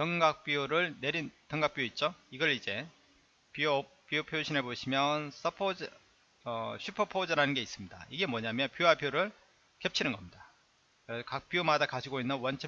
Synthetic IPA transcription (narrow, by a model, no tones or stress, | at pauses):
tʌŋɡak̚p͈iuɾɯɭne̞ɾintʌŋɡak̚p͈ioit̚t͡ɕ͈oiɡʌɭid͡ʑe̞ | pio | p͈iopʰjoɕʰine̞boɕʰimjʌns͈ʰʌpʰod͡ʑ | ʌɕʰupʰʌpʰod͡ʑɯɾanɯnɡe̞is͈ɯmɲida̰iɡe̞mwʌɲamjʌnpjoɦapʰioɾɯɭ | kep̚t͡ɕʰinɯnɡʌmɲida | kɯɾekak̚p͈iomadakad͡ʑiɡoinːɯnwʌnt͡ɕʰʌ